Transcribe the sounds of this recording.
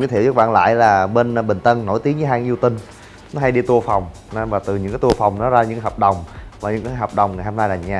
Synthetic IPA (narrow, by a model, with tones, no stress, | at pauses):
t̪ʰi˧˨zə˦˥k̚ɓa̰ː˧˨nla̰ː˧˨jlaː˨˩ɓe˧n˧ɓï˨˩ŋ̟t̪ə˧nːo̰˧˩jt̪i˦əŋvɨ˨˦ɦaː˧ŋ˧ʔi˧wt̪ï˧ŋ̟ | nɔ˨˦ɦa˧jɗi˧t̪u˧əfa˨˩wŋ͡m | n˧vaː˨˩t̪ɨ˨˩ɲɨ̰˧˥ŋkaː˨˦jt̪u˧əfa˨˩wŋ͡mnɔ˨˦zaː˧ɲɨ̰˧˥kaː˨˦hɔː˨˩p̚ɗə˨˩wŋ͡mvaː˨˩ɲɨ̰˧˥ŋkaː˨˦jɦɔː˨˩p̚ɗə˨˩wŋ͡mŋa˨˩jhɔ˧mnaː˧jlaː˨˩ɲaː˧˩